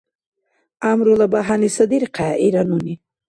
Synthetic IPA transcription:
amɾolabaɦanisad̪iɾqaiɾanuni

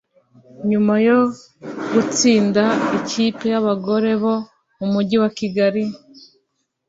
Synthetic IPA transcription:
ɲumajo̞ | ɡut͡siːndaiciːpejaβaɡo̞ɾe̞βo̞ | mumuɟiwakiɡaɾi

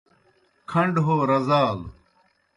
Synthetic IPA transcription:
kʰɐɳɖɦoːɾɐzaːl

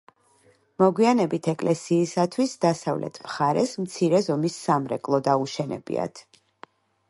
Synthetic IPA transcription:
mɔɡwianɛbit̪ʰɛkʼlʔɛsiːsat̪ʰwisd̪asavlɛ̰t̪ʰmχaɾɛsmt̪sʰiɾɛzɔmisːamɾɛkʼlˠɔd̪auʃɛnɛ̰bḭa̰t̪ʰ

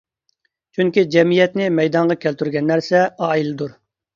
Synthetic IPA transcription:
t͡ʃʰyŋkʲid͡ʒɛmijɛt̪nɪmɛjd̪ɑɴʁɑkʲʰælt̪yɾɡʲɛnːæɾsɛɑːilɨd̪uɾ

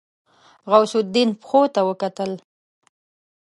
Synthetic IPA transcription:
ɣawsʊd̪inpxot̪awəkat̪əl

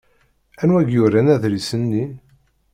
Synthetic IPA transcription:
ænwæɡjʊɾænæðɾisənːi

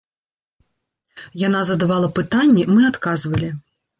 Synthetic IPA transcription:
janazɐd̪avalˠɐpɨt̪anʲːɛmɨat̪kazvɐlʲi

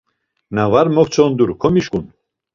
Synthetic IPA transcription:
navaɾmɔkʰt͡sʰɔnd̪uɾkʰɔmiʃkʼun

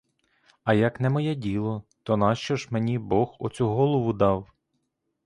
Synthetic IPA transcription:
ɐjɐknɛmɔjɛdʲilˠɔt̪ɔnɑʃt͡ʃɔʒmenʲibɔxɔt͡sʲuɦɔlˠɔʋʊd̪ɑw

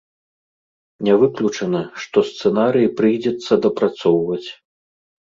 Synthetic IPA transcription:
nʲɛvɨklʲut͡ʂɐnɐʂt̪ɔst̪sɛnaɾɨjipɾɨjd͡zʲɛt̪sːɐd̪ɐpɾat̪sɔwvɐt͡sʲ

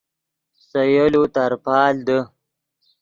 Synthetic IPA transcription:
səjəlut̪aɾpɑːld̪ə

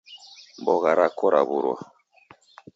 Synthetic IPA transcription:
bɔɣaɾakɔɾa̰buɾwa̰

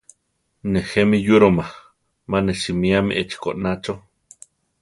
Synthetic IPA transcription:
nehemijuɾoma | maneʃimiamḭʔet͡ʃi̥ko̰ʔnat͡ʃo

